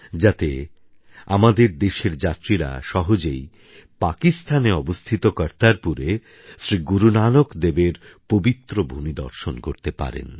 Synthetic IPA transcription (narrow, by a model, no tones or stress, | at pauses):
d͡ʑat̪e | a̰mad̪eɾd̪eʃeɾd͡ʑat̪ːɾiɾa̰ʃɔɦod͡ʑej | pakist̪ʰaneɔbost̪ʰit̪okɔɾt̪aɾpuɾe | sɾiɡuɾunanokd̪ebeɾpobit̪ːɾobʱumid̪ɔ̰ɾʃonkoɾt̪epa̰ɾḛn